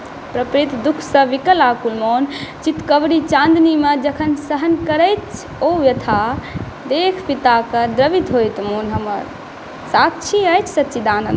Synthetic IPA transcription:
pɾəpɾit̪d̪ukʰsə̃ʋikəlakulmont͡ʃit̪kəbɾit͡ʃãnd̪nimed͡ʒəkʰənsəɦənkəɾəjt̪t͡ʃʰ | oʋjət̪ʰa | d̪ekʰpit̪akəd̪ɾəbit̪ɦojt̪monɦəmə̰ɾ | sat̪̚t͡ʃʰiəjt͡ʃʰsət̪ːʃʰid̪anə̰n

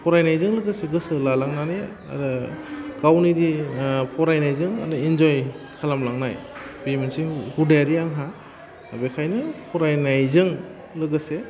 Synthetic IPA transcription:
pʰɔɾajnajzɯŋlɯɡɯseɡɯsɯlalaŋnanij | a̰ɾɯɡawnidipʰɔɾajnajzɯŋa̰ɾɯind͡ʒɔjkʰalamlaŋnajbimɯnsihudajaɾiaŋɦa | abekʰajnɯpʰɔɾajnajzɯŋ | lɯɡɯse

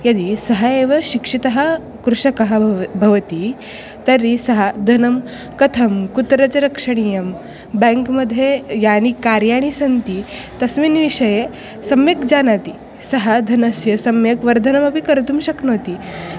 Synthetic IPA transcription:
jɐd̪isɐɦaeʋɐɕikʂit̪ɐɦɐ | kɾuʂɐkɐɦɐbʱɐʋɐt̪i | t̪ɐɾisɐɦad̪ʱɐnɐm | kɐt̪ʰɐmkut̪ɾɐt͡seɾɐkʂɐɽ̃ijɐm | bɛ̃ŋkməd̪ʱjejañikaɾjaɽ̃isɐnt̪i | t̪ɐsʋinʋiʂɐje | sɐmjekd͡zanat̪i | sɐɦad̪ʱɐnɐsjɐsɐmjɐkʋɐɾd̪ʱɐnɐmɐpikɐɾt̪umɕɐknot̪i

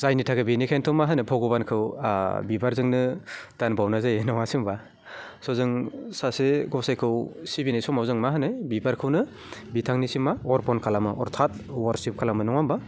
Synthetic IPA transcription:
zajnitʰaɡɯbinikʰajntʰɔmaɦanɯpʰɔɡɯbankʰɯwbibaɾzɯŋnɯd̥anbawnazajenawasɯmba | sɔzɯŋsaseɡɔsajkʰɯwsibinajsɔmawzɯŋmaɦɯnɯjbibaɾkʰɯwnɯ | bitʰaŋnisimaɔɾpʰɔnkʰalamɯʔɔ̰ɾtʰat̚waɾsip̚kʰalamɯnɔŋamba

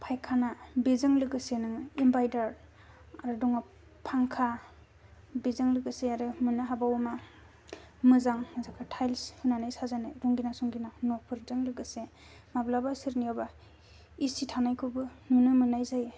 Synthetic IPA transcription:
pʰajkʰanabezɯŋlɯɡɯsenɯŋimbajdaɾ | aɾɯdɔŋa | pʰaŋkʰa | bezɯŋlɯɡɯseaɾɯmɯnɯɦabawma | mɯzaŋmɯzakʰatʰajlshɯnanajsazanɯɾuŋɡinasuŋɡinanɔpʰɯɾdɯŋlɯɡɯse | mablabasiɾniaba | isitʰanajkʰubɯnunɯmɯnajzaj

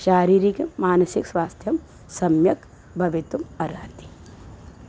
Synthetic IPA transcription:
ʃaːɾiːɾikmaːnɐsikswaːst̪ʰjɐm | sɐmjɐk | bʱɐʋet̪umɐɾaːt̪i̥

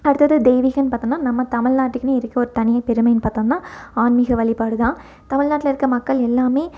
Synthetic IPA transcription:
ɐɽɯt̪ːɐðɯd̪eːʋiːɣɐnpaːɾt̪õŋnaːnɐmːɐt̪ɐmɪɻnaːʈːɯkːneɪɾɯkːɐɔɾɯt̪ɐnɪjɐpɛɾɯmɐjnpaːɾt̪õːŋɐnːaːaːnmɪɣɐʋɐɭɪpːaːɽɯðãː | t̪ɐmɪɭnaːʈːɪlɐɪɾɯkːɐmɐkːɐɭɛlːaːmeː

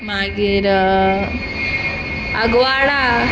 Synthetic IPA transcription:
maːɡiɾ | ɐɡwaːɽa

